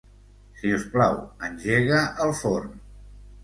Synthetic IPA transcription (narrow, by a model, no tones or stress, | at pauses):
siusplawənʲʒeɣəʔːlˠfoɾm